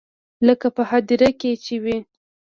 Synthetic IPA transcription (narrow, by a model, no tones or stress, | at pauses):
ləkapəhad̪iɾaket͡ʃewi